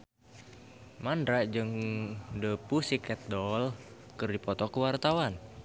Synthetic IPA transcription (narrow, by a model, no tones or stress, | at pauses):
mandɾad͡ʒəŋdəpusikɛt̪̚dɔl | kɨrdipɔt̪ɔkəwart̪awan